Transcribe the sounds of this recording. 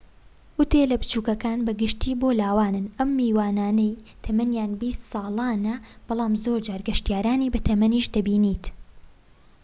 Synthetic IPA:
ʊt̪elɐbɨt͡ʃuːkɐkaːnbɐɡɨʃt̪ʰiːboːlaːwaːnɨnɐmːiːwaːnaːnɐjt̪ʰɐmɐnjaːnbiːst̪sɑːlˠɑːnɐb̥ɑlˠɑːmzoːɾd͡ʒaːɾɡɐʃt̪jaːɾaːniːbɐt̪ʰɐmɐniːʃd̪ɐbiːniːt̪

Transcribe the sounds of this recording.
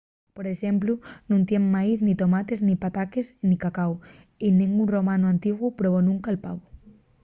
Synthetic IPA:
poɾesemplʊnũnt̪jeŋmaiθnit̪omat̪eznipat̪akesnikakaw | inẽŋɡuŋromanʊant̪iɣwʊpɾoβonũŋkaelpa̰βʊ

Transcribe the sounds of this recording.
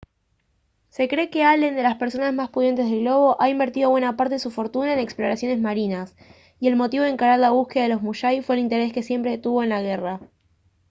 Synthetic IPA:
se̞kɾe̞ke̞alend̪e̞laspe̞ɾso̞nazmaspuðjent̪e̞zð̞e̞lɣlo̞β̞o̞ʔaimbe̞ɾt̪iðo̞βwe̞napaɾt̪e̞esufo̞ɾt̪unaeneksplo̞ɾasjo̞ne̞zmaɾinas | ie̞lmo̞t̪iβ̞e̞ŋkaɾaɾlaβ̞uske̞ðaðelo̞zmuʃajfwe̞ːlint̪e̞ɾe̞ske̞sjempɾet̪uβo̞enlaɣe̞ra

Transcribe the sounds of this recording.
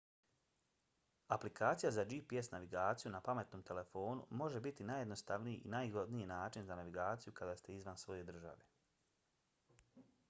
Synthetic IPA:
aplikaːt̪sijazad͡ʒipiesnaʋiɡaːt̪sijunapame̞t̪noːmt̪ʰe̞le̞fo̞ːnṵmo̞ʒe̞bit̪inaːjed̪no̞st̪aʋnijiʔinajɡo̞d̪nijinaːt͡ʃinzanaʋiɡaːt̪sijukad̪aːst̪e̞izʋansʋo̞je̞d̪r̩ʒa̰ʋe

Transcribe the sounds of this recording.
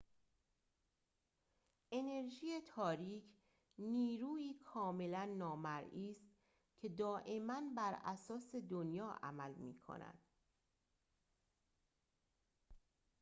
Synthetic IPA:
ʔe̞ne̞ɾʒiːet̪ʰɒːɾiːcʰ | niːɾuːiːkʰɒːme̞lænːɒːmæɾʔiːst̪ | cʰe̞d̪ɒːʔe̞mænbæɾʔæ̰sɒːse̞d̪onjɒːʔæ̰mælmḭːkʰo̰næ̰d̪̥

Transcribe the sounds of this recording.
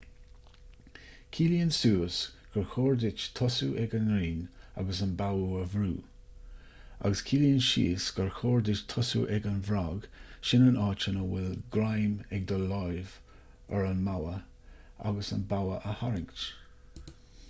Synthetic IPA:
kʰiːliənsuːsɡ̥əɹxoːɹd̪ɪt͡ʃt̪ʰɔsuʔɛɡənɾiːna̰ɡəsənbawəəvɾuː | a̰ɡəskʰiːliənʃḭːsɡ̥əɹxoːɹd̪ɪt͡ʃt̪ʰɔsṵʔɛɡənvɾaːɡʃɪnənʔɑːt͡ʃənəwɪlɡɾajmɛɡ̚d̪əlɔjv | əɹənmawə | a̰ɡəsə̰nbawəʔəhaɾɪŋkt͡ʃ

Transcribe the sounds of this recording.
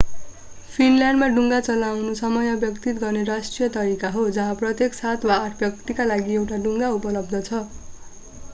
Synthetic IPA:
pʰinlaɳɖmaɖuŋɡat͡sʌlawnusʌmʌjʌbjʌkt̪it̪ɡʌrneɾasʈrijʌt̪ʌɾikaɦod͡zʌɦãprʌt̪jeksat̪ʰwaːʈʰbjʌk̚t̪ikalaɡiewʈaɖuŋɡaupʌlʌbd̪ʌt͡sʰʌ

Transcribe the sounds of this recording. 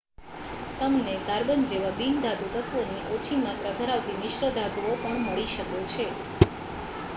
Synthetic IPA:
t̪əmnekaɾbənd͡ʒeʋabind̪ʱad̪ut̪ət̪ʰʋoniʔot͡ʃʰimat̪ɾad̪ʱəɾaʋt̪inɪʃɾəd̪ʱad̪uopəɳməɭiʃəkot͡ʃʰe

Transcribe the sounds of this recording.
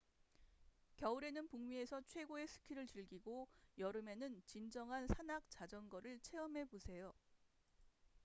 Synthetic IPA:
kjʌuɾe̞nɯnpuŋmie̞sʰʌt͡ɕʰwe̞ɡoe̞sʰɯ̥kʰiɾɯɭt͡ɕiɭɡiɡojʌɾɯme̞nɯnt͡ɕind͡ʑʌŋɦansʰanak̚t͡ɕad͡ʑʌnɡʌɾɯɭt͡ɕʰe̞ʌmɦe̞bosʰe̞jo

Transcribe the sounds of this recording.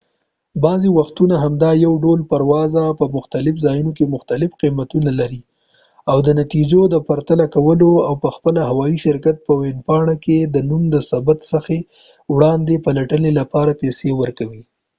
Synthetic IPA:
bɑzewaxt̪unaɦamd̪ɑjawɖolpaɾwɑzapəmʊxt̪alɪfzɑjunok̬emʊxt̪alɪfqimat̪unalaɾi | awd̪ənat̪id͡ʒod̪əpaɾt̪alakawəloawpəxpəlaɦawɑiʃɪɾkat̪̚pəwɪnfɑɳaked̪ənumd̪əsabat̪səxe | wɽɑnd̪epalaʈənelapɑɾapesewəɾkawi

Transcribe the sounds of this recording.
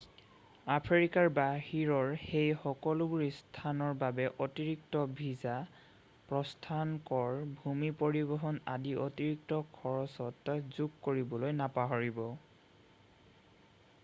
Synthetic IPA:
apʰɹikaɹbahiɹɔɹhejxɔkɔlubuɹistʰanɔɹbabɛʔotiɹik̚tɔbʱiza | pɹɔstʰankɔɹbʱumipoɹibɔɦɔnadiʔotiɹik̚tɔkʰɔɹɔsɔtzuɡkoɹibɔlojnapaɦɔɹibɔ

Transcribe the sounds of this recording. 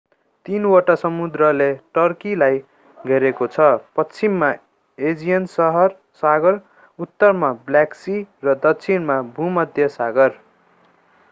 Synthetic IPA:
t̪inwʌʈasʌmud̪rʌleʈʌrkilaj | ɡʱʌɾekot͡sʰʌpʌt͡sʰimːa | ed͡zijʌnsʌɦʌr | saɡʌr | ut̪ːʌrmabljaksirʌd̪ʌkt͡sʰinmabʱumʌd̪ʱjʌsaɡʌr

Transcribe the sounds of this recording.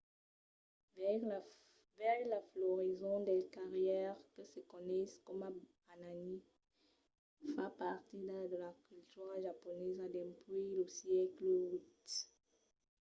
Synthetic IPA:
v | vɛʁlaflɔʁizɔ̃d̪ɛkaʁjɛʁkəsəkɔnɛskɔma | anani | fapaʁt̪id̪ad̪əlakʲylt̪yʁʒapɔnɛzad̪ɛ̃pliləsjɛkləut̪

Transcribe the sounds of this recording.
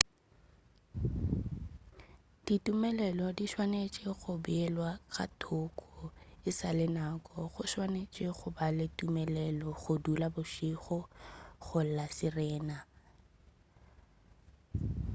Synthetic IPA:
d̥itʼumɛlɛlɔdiʃwanet͡ʃʼɪɣʊbɪɛlwaɣa̰tʰʊkʰʼɔɪsalɪnakʼɔχʊʃwanet͡ʃʼɪχʊbalɪtʼumɛlɛlɔɣʊdulabʊʃiχɔχʊl̩lasɪrɛːna

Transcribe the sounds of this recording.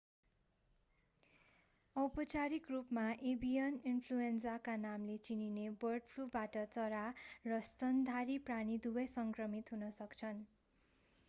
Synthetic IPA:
ʌwpʌt͡saɾikrupmaʔebijʌninpʰluensakanamlet͡sininebʌrɖpʰlubaʈʌt͡sʌɾarʌst̪ʌnd̪ʱaɾipraɽ̃id̪ubʌjsʌŋkrʌmit̪ɦunʌsʌkt͡sʰʌn

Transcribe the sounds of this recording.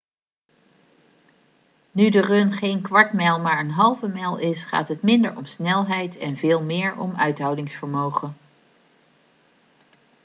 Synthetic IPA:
nydərønχejnkʋɑɹtmɛlˠmaːɹənɦɑlˠvəmɛlˠɪsχa̰ːtɦətmɪndəɹɔ̰msnɛlˠɦɛjtʰɛnvɪːlˠmɪːɹɔ̰mœɥtɦɑwdɪŋsfəɹmowχən

